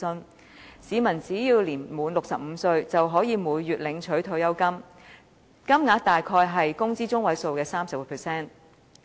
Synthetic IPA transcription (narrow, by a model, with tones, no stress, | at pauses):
ɵ˥n | siː˨˧mɐ˨˩nt͡siː˨˥jiː˧wliː˨˩nmuː˨˧˥nlʊ˨k̚sɐ˨p̚m̩˨˧sɵ˧ɥt͡sɐ˨wɦɔː˨˥jiː˨˧muː˨˧jːyː˨t̚lɪ˨˧˥ŋt͡ʃʰɵ˨˥ɥt̪ʰo˧wjɐ˥wkɐ˥m | kɐ˥mŋaː˨˥kt̪aː˨jkʰɔː˧jɦɐ˨jkʊ˥ŋt͡siː˥t͡sʊ˥ŋwɐ˨˥jso˨˧wkɛː˧saː˥msɐ˨p̚ːpʰɛː˨˩sɛː˥n